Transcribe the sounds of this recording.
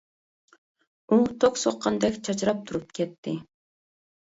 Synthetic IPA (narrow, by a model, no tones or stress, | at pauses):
ut̪ʰːoksoqːɑnd̪ɛkʲt͡ʃʰɑt͡ʃɾɑp̚t̪ʰuɾup̚kʲʰɛt̪ʰːɪ